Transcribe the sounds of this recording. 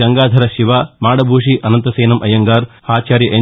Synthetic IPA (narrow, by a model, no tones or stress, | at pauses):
ɐŋɡaːd̪ʱɐɾɐʃiʋaːmaːɽɐbʱuːʂ̬iʔɐnɐnt̪ɐseːnɐmʔɐjɐŋɡaːɾhaːt͡ʃaːɾjɐʔe